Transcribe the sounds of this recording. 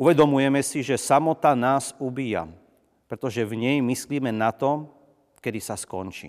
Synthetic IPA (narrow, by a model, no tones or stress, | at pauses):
uʋɛd̪ɔmujɛmɛsiʒɛsamɔt̪anaːzubiːja̰ | pɾɛt̪ɔʒɛvɲɛjmisliːmɛnat̪ɔ | kɛd̪isaskɔ̰nt͡ʃḭː